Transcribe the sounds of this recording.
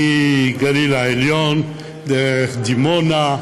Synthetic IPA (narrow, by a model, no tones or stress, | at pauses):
iɡalilaeljon | d̪ed̪imona